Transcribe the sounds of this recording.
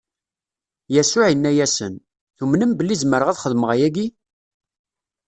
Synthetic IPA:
jæsʊʕənːæjæsə̰n | θumnəmbəlːizməɾəʁæðχəðməʁæjæɡi

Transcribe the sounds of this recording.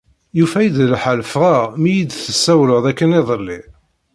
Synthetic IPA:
jufæjid̪lħəlfʁamijid̪θəsːæwlʊðˤækːənɪðˤəlːi

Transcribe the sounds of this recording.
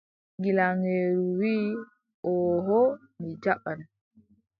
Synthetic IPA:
ɡilaŋeːɾuwiː | ɔɦɔ | mid͡ʒaɓan

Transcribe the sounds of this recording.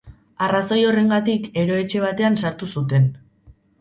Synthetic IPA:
araso̞jo̞re̞ŋɡat̪ike̞ɾo̞e̞t͡ʃe̞β̞at̪e̞ansaɾt̪usut̪e̞n

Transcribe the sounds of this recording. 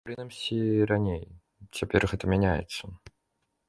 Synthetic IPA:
pɾɨnəmsʲiɾanʲej | t͡sʲapʲerɣɛt̪əmʲɛnʲajɪ̰t̪sːə

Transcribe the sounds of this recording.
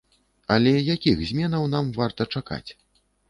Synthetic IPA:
ɐlʲɛjakʲixzʲmʲɛnɐwn̪amvart̪ɐt͡ʂaka̰t͡sʲ

